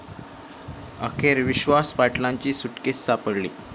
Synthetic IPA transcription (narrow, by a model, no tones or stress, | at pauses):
ə̰kʰeɾʋiɕʋaspaʈlaɲt͡ɕiːsuʈkesːapəɽlḭː